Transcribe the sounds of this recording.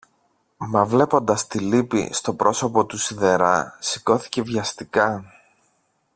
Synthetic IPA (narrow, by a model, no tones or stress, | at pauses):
mɐvle̞po̞nd̪ɐst̪ilipḭst̪o̞pɾo̞so̞po̞t̪usiðe̞ɾɐsiko̞θi̥ce̞vʝɐst̪ikɐ